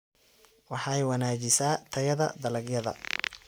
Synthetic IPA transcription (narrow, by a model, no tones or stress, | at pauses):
wɑħɑɛjwɐnaːt͡ʃɪsaːt̪ʰɐjɐðɐ̰d̪ɐlɐɡjɐðɐ̰